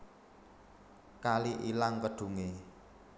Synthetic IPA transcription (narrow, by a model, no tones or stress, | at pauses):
kaliʔilaŋkəɖ̥ṳŋe